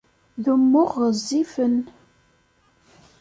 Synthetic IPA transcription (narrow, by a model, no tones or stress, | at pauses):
ðumːʊʁəzːifən